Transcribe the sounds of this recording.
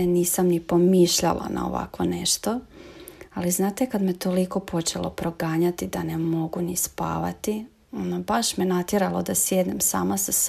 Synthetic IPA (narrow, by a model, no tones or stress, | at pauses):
niːsamnipo̞miːʃʎa̰lˠa̰na̰o̰ʋa̰kʋo̞ne̞ʃt̪o̞ | aliznaːt̪ekad̪met̪o̞liko̞pʰo̞t͡ʃe̞lˠo̞̰pɾo̞ɡaːɲat̪id̪anemo̞ɡunispa̰ːʋa̰t̪i | o̞nd̪abaʃmenat̪jeɾalˠod̪asjed̪nemsa̰ːmasas